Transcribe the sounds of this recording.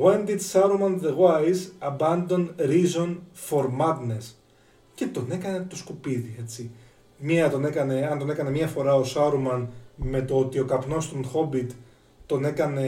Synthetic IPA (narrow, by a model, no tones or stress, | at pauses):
ɣwend̪it̪sɐɾumɐnðeɣwajsɐbɐnd̪o̞nɾizo̞nfo̞ɾmɐd̪nes | ce̞t̪o̞ne̞kɐne̞t̪o̞skupiðie̞t͡si | miɐt̪o̞ne̞kɐne̞ɐnt̪o̞ne̞kɐne̞mɲɐfo̞ɾɐo̞sɐɾomɐnme̞t̪oot̪io̞kɐpno̞st̪onxo̞bit̪ː | o̞ne̞kɐne̞